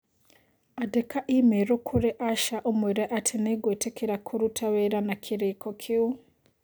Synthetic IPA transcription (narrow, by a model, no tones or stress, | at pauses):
adekaʔimeɾokʰuɾeʔaʃaʔomweɾeʔatʰineɡwetekeɾakʰoɾutʰaweɾanakʰiɾekʰɔkʰeu